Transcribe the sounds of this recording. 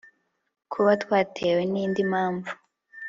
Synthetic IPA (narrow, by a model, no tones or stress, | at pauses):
kʰuβatwaːtʰeːweniːndimaːɱvu